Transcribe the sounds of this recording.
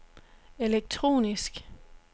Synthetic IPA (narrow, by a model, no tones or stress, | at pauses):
eleɡ̥̚t͡sʰʁo̝̰ːnisɡ̥